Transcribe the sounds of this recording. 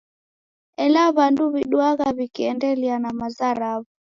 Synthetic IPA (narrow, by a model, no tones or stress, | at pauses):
ɛlaβanduβiɗuaɣaβikiɛndɛlianamazaɾaβu